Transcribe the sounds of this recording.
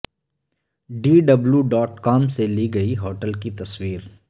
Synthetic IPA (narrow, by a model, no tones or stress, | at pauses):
ɖiːɖɐbljuɖɔːʈkaːmseliɡɐiɦoːʈəlkit̪ɐswiːɾ